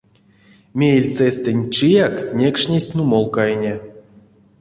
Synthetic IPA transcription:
mʲejlʲt͡sɛsʲt̪enʲt͡ʃijaknʲekʂnʲesʲnumolˠkajnʲe

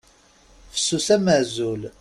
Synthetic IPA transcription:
fə̥sːusæmæzul

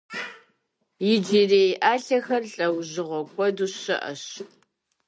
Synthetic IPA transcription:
jɪd͡ʒiːreːjʔaːɬɐxɐrɬʼɐwʑɪʁʷɔkʷʰʼɔduɕɐ̰ʔɐ̰ɕ

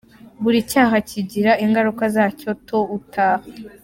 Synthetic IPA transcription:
βuɾicaːɦaciɟiɾaʔiŋɡaɾukazaːco̞tʰo̞utaːha

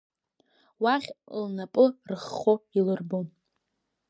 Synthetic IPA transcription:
waʁʲlnapʼɨrɨχːoilɨrbom

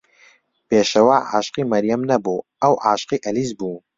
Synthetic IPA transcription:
peːʃɐwaːʕa̰ːʃqiːmɐɾjɐmnɐbuː | ɐwʕa̰ːʃqiːʔɐliːzbuː

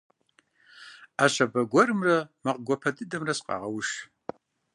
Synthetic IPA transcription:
aʃʷabaɡʷarɨmramaqʼɡʷapʰadɨdamrasqʼa̰ʁawʃ

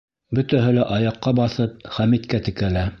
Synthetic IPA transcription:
bɵ̆t̪æɦɵlæʔɑjɑqːɑbɑθɤp̚χæmit̪kæt̪ɘ̆kælæ

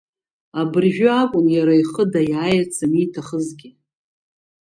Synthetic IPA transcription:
abɨrʒᶣʊakʷʼʊnjaɾaiχədajajat͡sʰanitʰaχəzɡʲɪ

